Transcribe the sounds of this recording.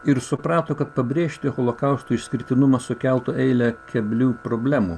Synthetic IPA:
ɪɾsʊpɾɑːt̪oːkɐt̪̚pɐbʲɾʲeːʃʲt̪ʲɪɣɔlˠokɐʊst̪uɪʃʲsʲkʲɪɾʲɪt̪ʲɪnʊmɐsʊkʲælˠt̪ʊʔɛɪlʲɛkʲɛbʲlʲuːpɾoːbʲlʲæːmu

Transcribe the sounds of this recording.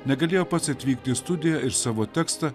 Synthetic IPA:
nʲɛɡɐlʲeːjoːpɐt̪sɐt̪ʲʋʲiːkt̪ʲɪst̪ʊd̪ʲɪjɛɪɾsɑːʋoːt̪ʲɛːkst̪ɐ

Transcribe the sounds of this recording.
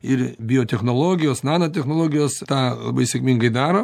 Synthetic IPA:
ɪrbʲɪjoːt̪ʲɛxnoːlˠoːɡʲɪjoːsnɑːnot̪ʲɛxnoːlˠoːɡʲɪjoːst̪ɑːlˠɐ̰bɐɪsʲɛkmʲiŋɡɐɪd̪ɑːɾoː

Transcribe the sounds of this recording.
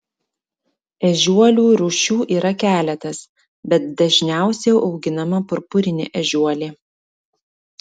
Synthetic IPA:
ɛʒʲuɔlʲuːɾuːʃʲuːʔiːɾɐkʲæːlʲɛt̪ɐs | bʲɛt̪̚d̪ɐʒʲnʲæˑʊsʲɛjɛʊʔɒʊɡʲɪnɐmɐpʊɾpʊɾʲɪnʲɪ̰ʔɛʒʲuɔlʲiː

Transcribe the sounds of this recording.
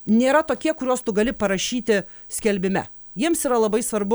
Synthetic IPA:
nʲeːɾɐt̪oːkʲiɛkʊɾʲoːst̪ʊɡɐlʲɪpɐɾɐʃʲiːt̪ʲɪ | sʲkʲɛlʲbʲɪmʲɛ̰ | jiɛmsiːɾɐlˠɐbɐɪsʋɐɾbʊ

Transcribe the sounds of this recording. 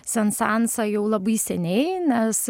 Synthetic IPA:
sʲɛnsɑnsɑjɛʊlˠɐbɐɪsʲɛnʲɛɪnʲɛs

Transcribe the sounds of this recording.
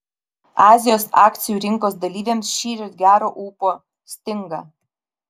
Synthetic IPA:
ɑːzʲɪjoːsɑːkt̪sʲɪjuːɾʲɪŋkoːsd̪ɐlʲiːʋʲeːmsʃʲiːɾʲot̪ɡʲæːɾoːʔuːpo | sʲt̪ʲɪŋɡɑ̰ː

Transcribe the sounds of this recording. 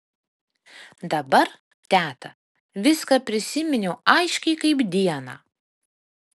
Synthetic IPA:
d̪ɐbɐɾ | t̪ʲæːt̪ɐ | ʋʲɪskɐpʲɾʲɪsʲɪmʲɪnʲʊɐɪʃʲkʲɛɪkɐɪbd̪ʲiɛnɑː

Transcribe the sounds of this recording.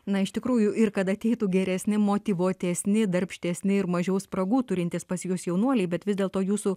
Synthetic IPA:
nɐɪʃt̪ʲɪkɾuːjʊɪrkɐt̪ɐt̪ʲɛɪt̪uːɡʲɛɾʲɛsʲnʲɪmoːt̪ʲiːʋuɔt̪ʲɛsʲnʲɪd̪ɐɾʲpʲʃʲt̪ʲɛsʲnʲɪɪɾmɐʒʲɛʊspɾɐɡuːt̪ʊɾʲɪnʲt̪ʲispɐsʲjʊsjɛʊnuɔlʲɛɪbʲɛt̪ʋʲɪzd̪ʲeːlˠt̪oːjuːsu

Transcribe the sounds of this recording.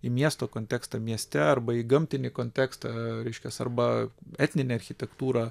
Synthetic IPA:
iːmʲiɛst̪oːkoːnt̪ʲæːkst̪ɐmʲiɛsʲt̪ʲɛɐrbɐiɡɐmʲt̪ʲɪnʲɪkoːnʲt̪ʲæːkst̪ɐɾʲɛɪʃʲkʲɛsɐ̰ɾbɐɛt̪ʲnʲɪnʲeɐɾʲxʲɪt̪ʲɛkt̪uːɾɑ

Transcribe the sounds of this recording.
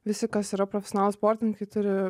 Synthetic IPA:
ʋʲɪsʲɪkɐsiːɾɐpɾofʲɛsʲonɑːlˠʊspoːɾʲt̪ʲɪŋkɐɪt̪ʊɾʲɪ

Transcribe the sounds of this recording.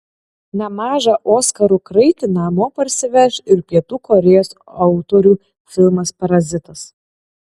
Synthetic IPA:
nʲɛmɑːʒɑʔoːskɐɾuːkɾɐɪt̪ʲɪnɑːmoːpɐɾʲsʲɪʋʲɛʃɪɾpʲiɛt̪uːkɔɾʲɛjoːsɐʊt̪oːɾʲuː | fʲɪlˠmɐspɐɾɐzʲɪt̪ɐs

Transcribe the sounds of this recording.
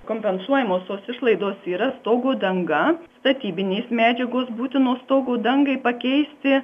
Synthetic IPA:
koːmʲpʲɛnsuɔjɛmoːst̪oːsɪʃlˠɐɪd̪oːsiːɾɐst̪oːɡoːd̪ɐŋɡɐst̪ɐt̪ʲiːbʲɪnʲeːsmʲæːd͡ʒʲɛɡoːsbuːt̪ʲɪnoːst̪oːɡoːd̪ɐŋɡɐɪpɐkʲɛɪsʲt̪ʲɪ

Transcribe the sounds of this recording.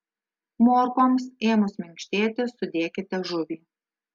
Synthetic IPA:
moːɾkoːmseːmʊsmʲɪŋʲkʃʲt̪ʲeːt̪ʲɪsʊd̪ʲeːkʲɪt̪ʲɛʒʊʋʲiː

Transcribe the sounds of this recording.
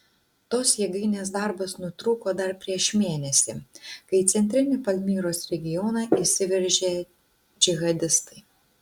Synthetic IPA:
t̪oːsjɛɡɐɪnʲeːs̬d̪ɐˑɾbɐsnʊt̪ɾuːkoːd̪ɐɾpʲɾʲiɛʃmʲeːnʲɛsʲɪkɐɪt̪sʲɛnʲt̪ʲɾʲɪnʲɪpɐlʲmʲiːɾoːsɾʲɛɡʲɪjɔnɐisʲɪʋʲɛɾʲʒʲeː | d͡ʒʲɪɣɐd̪ʲɪst̪ɐɪ

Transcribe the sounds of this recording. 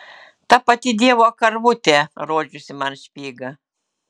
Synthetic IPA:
t̪ɐpɐt̪ʲɪd̪ʲiɛʋoːkɐɾʋʊt̪ʲɛɾoɔd͡ʒʲʊsʲɪmɐnʃʲpʲiːɡɐ

